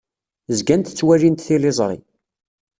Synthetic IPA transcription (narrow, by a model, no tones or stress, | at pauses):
zɡænt̪t͡sːwælint̪θilezˤɾˤḭ